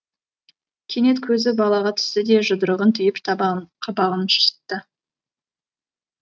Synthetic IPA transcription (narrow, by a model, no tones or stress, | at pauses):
kʲʰene̞t̪kʲʰɵzɪbɑlˠɑʁɑt̪ʰʏ̥st̪ɪd̪e̞ʒʊd̪əɾəʁənt̪ʰʏjɪpʰqʰɑbɑʁənʃə̥sə̥t̪ːə